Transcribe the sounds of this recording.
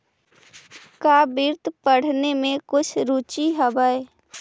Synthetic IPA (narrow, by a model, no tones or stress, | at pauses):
kaːbiːɾt̪ʰpəɽ̤nemẽkʊt͡ʃʰɾuːt͡ʃiɦəbae